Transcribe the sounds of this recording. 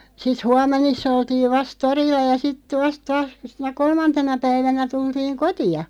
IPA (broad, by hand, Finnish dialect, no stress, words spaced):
sit huɑmˑenisː oltiːʋ ʋɑst torilːɑ jɑ sitˑə̆ ʋɑst tɑːs sinæ kolmɑntenɑ pæiʋænæ tultiːŋ kotiɑ